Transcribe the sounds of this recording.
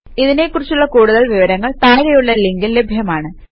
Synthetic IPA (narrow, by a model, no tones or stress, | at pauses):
iðine̞kːurit͡ɕːuɭːɐkuːɽuðɐɭʋiʋɐɾɐŋːɐɭt̪aːɾɐjuɭːɐilːe̞ŋɡille̞bʱjɐmaːɳɨ